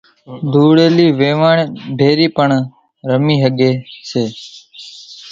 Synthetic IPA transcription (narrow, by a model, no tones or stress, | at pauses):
d̪ʱuːɽeːliːʋeːʋaːɳeːbʱeːɾiːpəɳ | ɾəmiːɦəɠeːseː